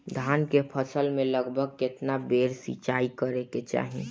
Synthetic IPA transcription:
d̪ʱaːnkepʰəsəlmẽləɡbʱəɡ̚kɪt̪nabeːɾsḭt͡ʃaikəɾeket͡ʃa̰ːɦĩ

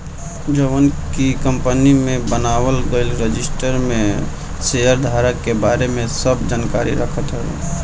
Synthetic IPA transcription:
d͡ʒəʋənkikə̃mpənimẽbənaːwəlɡəɪlɾəd͡ʒɪsʈəɾmẽ | sejəɾd̪ʱaːɾəkːebaːɾemẽsəbd͡ʒaːnka̰ːɾḭɾəkʰət̪ɦɛ̰

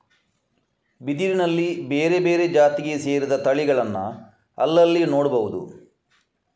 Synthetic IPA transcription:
bid̪iɾinɐlːibeːɾe̞be̞ːɾe̞d͡ʒaːt̪iɡese̞ːɾid̪ɐt̪ɐɭiɡɐɭɐnːɐ̰ | ɐ̰lːɐlːino̞ːɽbɐʋud̪ṵ

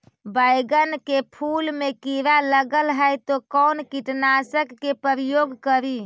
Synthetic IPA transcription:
bajɡənkepʰulmekiɾaləɡəlɦəjt̪okɔnkiʈnasəkːepəɾijoɡkəɾi

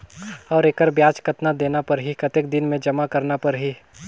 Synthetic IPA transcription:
ɔːɾeːkəɾbjaːt͡ʃkət̪nad̪eːnapɐɾɦikɐt̪ek̚d̪ɪnmẽd͡ʒɐmakɐɾnapɐɾɦi

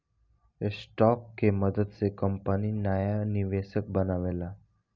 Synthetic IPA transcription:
sʈɔkːeməd̪əd̪t͡sekəmpəniːnjajaniʋesək̚bənaʋela

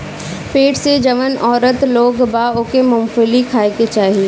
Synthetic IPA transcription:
peːʈsed͡ʒɐʋənɔːɾət̪loːɡbaokemʊmfʊlikʰaːeket͡ʃaːɦie

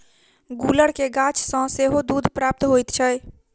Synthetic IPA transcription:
ɡuləɽkeɡãt͡ʃsə̃seɦod̪ud̪ʱpɾaːp̚t̪ɦojt̪t͡ʃʰɛj

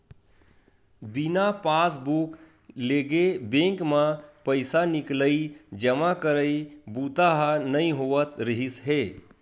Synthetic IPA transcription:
binapasbuk | leɡebẽŋkmapəɪsanikləid͡ʒəmakəɾəibut̪aɦanəĩɦoʋət̪ɾəɦisɦe

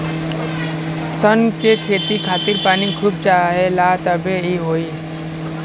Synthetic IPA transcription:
sənkekʰeːt̪ikʰaːt̪ɪɾpaːnikʰuːb̚t͡ʃaːɦelat̪əbʱeiɦoːi

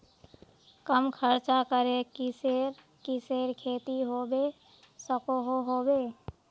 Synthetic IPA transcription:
kəmkʰəɾt͡ʃakəɾekɪseɾ | kɪseːɾkʰeːt̪iɦoːbeː | səkoɦoɦoːbeː

